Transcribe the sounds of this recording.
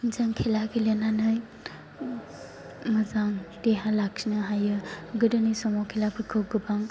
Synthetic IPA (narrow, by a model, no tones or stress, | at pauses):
zaŋkʰelaɡʰilenanɯj | mɯzaŋteɦalak̚sinɯɦajɯɡɯdɯnɯjsɔmɔkʰelapʰɯkʰɯwɡɯbaŋ